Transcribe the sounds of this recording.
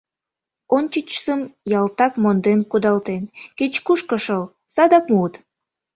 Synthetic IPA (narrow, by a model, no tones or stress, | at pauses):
ont͡ɕit͡ɕsəmjɑlt̪ɑkmond̪enkud̪ɑlt̪enket͡ɕkuʃkəʃəl | sɑd̪ɑkmut̪